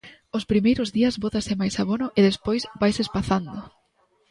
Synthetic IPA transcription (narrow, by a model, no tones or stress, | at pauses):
ʊspɾimejɾʊzðiɐzβot̪asɪmajsaβonʊʔɪðespojsbajsespaθand̪ʊ